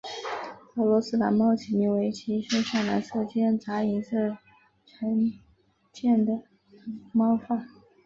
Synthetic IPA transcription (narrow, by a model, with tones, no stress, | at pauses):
ɤ˧˥lwɔ˧˥sɹ̩˥la̰˧˥nmɑ˥ʊt͡ɕʰi˧˥ni˧˥we˧˥ɪt͡ɕʰi˧˥ʂe˥ʂa˥˩la̰˧˥sɤ˥˩t͡ɕjɛ˥nt͡sa˧˥i˧˥nsə˥˩ | ʈ͡ʂʰə˧˥n | t͡ɕjɛ˥˩nd̪ə˩ | mɑ˥ʊfa˥˩n